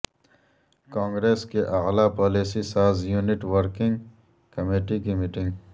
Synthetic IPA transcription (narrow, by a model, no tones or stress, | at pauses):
kãːŋɡɾeːskeʔɐɣlapɔːliːsisaːzjuːnɪʈwəɾkɪ̃ŋɡ | kɐmeːʈikimiːʈɪ̃ŋɡ